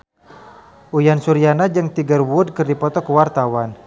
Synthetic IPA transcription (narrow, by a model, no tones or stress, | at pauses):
ʔujansuɾianad͡ʒəŋt̪iɡərwʊd̚kərdipɔt̪ɔkəwart̪awan